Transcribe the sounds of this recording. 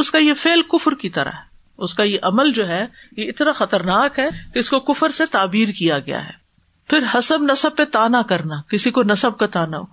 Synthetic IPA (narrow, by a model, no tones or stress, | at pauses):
ʊskajefeːlkʊfɾkit̪ɐɾa̰ɦɛ | ʊskajeʔɐməld͡ʒoːɦɛjeɪt̪naxɐt̪əɾnaːkɦɛkeɪskokʊfəɾset̪aːbiːɾkijaɡɐja̰ɦɛ̰ː | pʰɪɾɦɐsəbnɐsəb̚pːet̪aːnakɐɾnakɪsikonɐsəb̚kat̪aːna